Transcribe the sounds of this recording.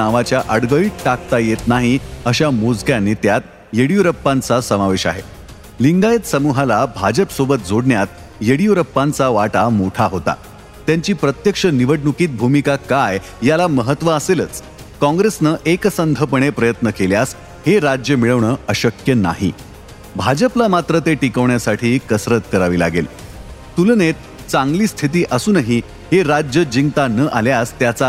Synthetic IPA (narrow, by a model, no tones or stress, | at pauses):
aʋat͡ɕjaʔəɽɡəiːʈ̚ʈak̚t̪ajet̪naɦiəɕamod͡zɡjanːiːt̪jat̪ | jeɽijuɾəpːãnt͡sasəmaʋeɕa̰ɦḛ | liŋɡajət̪səmuɦalabʱad͡ʑəpsobət̪̚d͡zʱoɽɳjat̪ | jeɽijuɾəpːãnt͡saʋaʈamoʈʰaɦot̪a̰ | t̪jaɲt͡ɕiːpɾət̪jəkʂəniʋəɽnukiːt̪̚bʱumikakaj | jalaməɦət̪ʋəəselət͡s | kɔ̃ŋɡɾesnəʔeksənd̪ʱəpəɳ̃epɾəjət̪nəkeljas | heɾad͡ʑjəmiɭəʋɳəəɕəkjəna̰ɦḭ | bʱad͡ʑəplamat̪ɾət̪eʈikəʋɳjasaʈʰiːkəsɾət̪kəɾaʋiːla̰ɡḛlt̪ulnet̪̚ | t͡sãŋɡliːst̪ʰit̪iːʔəsuːnəɦi | heɾad͡ʑjəd͡ʑiŋɡt̪anəʔaljast̪jat͡sa